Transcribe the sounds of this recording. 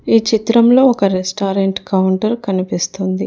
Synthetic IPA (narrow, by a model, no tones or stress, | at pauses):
iːt͡ʃit̪ɾɐmlo̞ːɔkɐɾesʈaːɾeɳʈkɐwɳʈɐɾkɐnipist̪und̪i